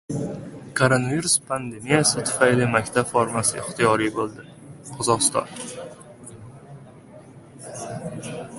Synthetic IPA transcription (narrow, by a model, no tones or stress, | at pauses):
kʰoɾonaviɾuspʰand̪emijasɪt̪ʰʊ̥fajlɪmakʲt̪ʰabfoɾmasɪɪχt̪ʰɪjɒɾijbolˠd̪ɪ | qʰɒzɒʁɨst̪ɒ̰n